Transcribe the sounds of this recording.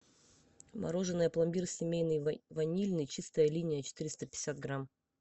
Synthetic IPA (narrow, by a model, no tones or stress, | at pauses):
mʔɐ̰ɾo̞ʐɨnːɨjəplˠɐmʲbʲirsʲɪmʲejnɨjvɐnʲilʲnɨjt͡ɕist̪əjəlʲinʲɪjət͡ɕɪ̥t̪ɨɾʲɪst̪əpʲɪ̥sʲat̪̚ɡɾam